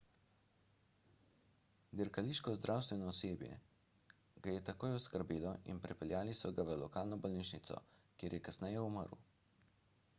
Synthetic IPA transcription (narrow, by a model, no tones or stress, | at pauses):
d̪iɾkaliːʃkɔzd̪ɾʔawst̪ʋɛnɔːseːbjɛ̰ | ɡajɛt̪akoːjɔskəɾbiːlɔḭnpɾipɛlʲjaːlisɔɡaʋəlɔkaːlnɔbɔlniːʃnit̪sɔ̰kjeːɾjɛkasnɛjɛumə̰ɾṵ